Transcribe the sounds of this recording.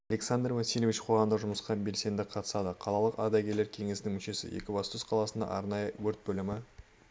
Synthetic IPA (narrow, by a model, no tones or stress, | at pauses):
ɑle̞ksand̪rvɑsilʲvʲiʃqʰoʁɑmd̪əʒʊməsqɑbe̞lse̞nd̪ɪqʰɑt̪ə̥sɑd̪əqʰɑlˠɑlˠəqɑd̪ɑɡʲe̞ɾle̞ɾkʲʰe̞ŋe̞sɪnɪŋmʏʃe̞sɪ̰jḛkʲɪbɑst̪ʰʏsqʰɑlˠɑsənd̪ɑ̰ʔɑɾnɑjəwɵɾt̪̚bɵlɪmɪ